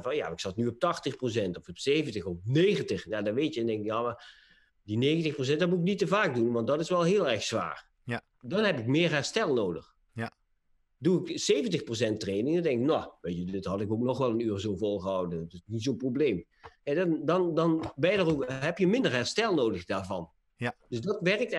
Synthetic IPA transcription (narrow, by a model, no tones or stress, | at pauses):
vɑnja̰ɪksɑtnyɔp̚tɑxtəxpros̬ɛntɔfɔpseːvəntəxɔp̚neːɣəntəxjaːdɑnʋetjəɛndɛŋkɪkjaːma | dinejɣəntəxpros̬ɛndɑtmutɪk̚nitəvaːk̚dunʋɑntdɑtɪsʋɛlˠɦɪːlˠɛɹxsʋa̰ːɹ | dɑnɦɛpɪkmɪːɹɦɛɹstɛlˠnowdəx | duɪksejvəntəxpros̬ɛntrejnɪŋndɛŋkɪknɔʋejtədɪtɦɑtɪkoknɔχʋɛlˠənyːrzowvɔlˠχəɦɑwdəntɪsnisonprobleːm | ɛdndɑndɑnʋɛjdəroɦɛpjəmɪndəɹɦɛɹstɛlˠnoːdəxdaːɹvɑn | d̥øsdɑtʋɛrk̚t